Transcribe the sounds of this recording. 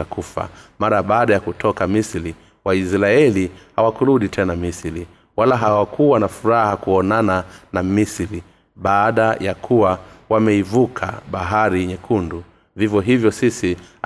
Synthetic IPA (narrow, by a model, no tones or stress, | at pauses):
akufa̰maɾaɓaːɗajakutʰɔkamisiɾi | waisɾaɛlihawakuɾuɗitʰɛnamisiɾi | walaɦawakʰuwanafuɾahakuɔnananamisiɾi | ɓaːɗajakʰuwawamɛivukʰa̰ɓaɦaɾiɲɛkʰundu | vivjɔɦivjɔsisi